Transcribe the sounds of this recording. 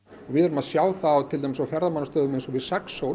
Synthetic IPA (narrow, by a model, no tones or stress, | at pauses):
avɪðɛɾʏmaðsjaːwθawt̪ʰɪlt̪ajmɪsawfjɛɾðamanːast̪œːðʏmensɔvɪðsɛkso